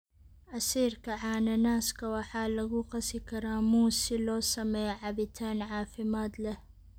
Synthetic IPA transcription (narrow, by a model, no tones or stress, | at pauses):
ʔasiːɾkaʕaːnanaːskawaħaːlaɡuːqɑsikaɾaːmuːsːiloːsameʕabit̪ʰaːnʕaːfɪmaːt̪la